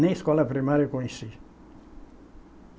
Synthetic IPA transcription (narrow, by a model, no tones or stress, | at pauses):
nẽskɔlɐpɾimaɾjɐkõẽsi